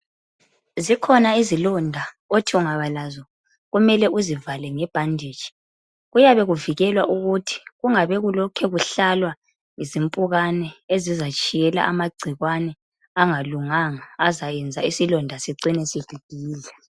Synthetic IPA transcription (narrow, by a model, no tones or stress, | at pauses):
zikʰɔnaizilɔndʱa | otʰiuŋaβalazɔ | ɣumɛlɛʔuzivalɛŋɛb̥ʱandʱeːt͡ʃʼi̥ | ɣujaβɛɣuviɣɛlwaʔuɣutʰi̥ɣuŋaβɛɣulɔkʰɛɣuɬalwa | ŋizimpʼuɣanɛezizat͡ʃʼijɛla̰ʔamaɡ͡ǀʱiɣwanɛ | aŋaluŋaŋaːzajɛnd͡zʱaisilɔndʱasiǀinɛsib̥ʱiɡ̥ʱiːlɛ